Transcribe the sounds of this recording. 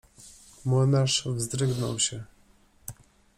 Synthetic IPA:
mɔnaʂvzd̪ɾɘɡnɔ̰wɕɛ

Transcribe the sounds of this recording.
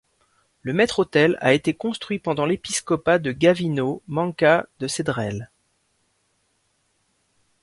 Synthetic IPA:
ləmɛt̪χot̪ɛla̰et̪ekɔ̃st̪χɥipɑ̃d̪ɑ̃lepiskɔpad̪əɡavinomɑ̃kad̪əsed̪ʁɛl

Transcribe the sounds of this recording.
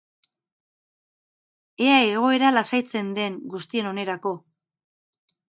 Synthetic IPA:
e̞aeɣo̞e̞ɾalasajt͡se̞nd̪e̞ŋɡust̪ie̞no̞ne̞ɾako̞

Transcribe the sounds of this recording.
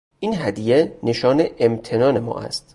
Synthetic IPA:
ʔiːnɦæd̪ijene̞ʃɒːneʔemt̪ʰe̞nɒːne̞mɒ̰ːʔæ̰st̪

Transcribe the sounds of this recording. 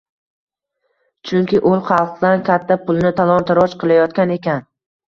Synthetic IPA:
t͡ʃʰʊŋkʲɪʔʊlˠχɑlˠqd̪ankʲʰat̪ʰːapʰʊlˠnɪt̪ʰalˠɒnt̪ɪɾɒt͡ʃqʰɨlˠajɒt̪kʲane̞kʲan

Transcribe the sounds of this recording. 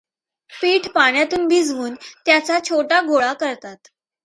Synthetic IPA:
piːʈʰpaɳjat̪uːnbid͡zʱʋuːnt̪jat͡sat͡ɕʰoʈaɡʱoɭakəɾt̪at̪

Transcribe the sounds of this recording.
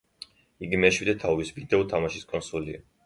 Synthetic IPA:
iɡimɛʃwid̪ɛt̪ʰavisvid̪ɛɔt̪ʰamaʃiskʼɔnsulia̰

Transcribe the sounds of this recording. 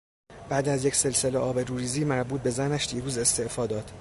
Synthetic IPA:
b̥æːd̪æzje̞cse̞lse̞leʔɒːbeɾuːɾiːziːmæɾbuːt̪̚be̞zænæʃd̪̥iːɾuːze̞st̪e̞ʔfɒːd̪ɒːd̪̥

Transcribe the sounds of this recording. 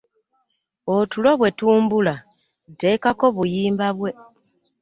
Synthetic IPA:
otulo̞βwe̞tuːmbula | te̞kako̞βujiːmbaβwe̞

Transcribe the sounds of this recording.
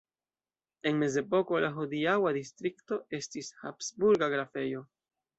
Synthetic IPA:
e̞nme̞ze̞po̞ko̞laɦodiawadistɾikto̞e̞stishapsbuɾɡaɡɾafe̞jo̞

